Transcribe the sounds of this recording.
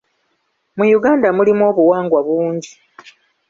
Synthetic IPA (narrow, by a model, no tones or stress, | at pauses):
mujuɡaːndamulimo̞ːβuwaːŋɡwaβuːɲɟi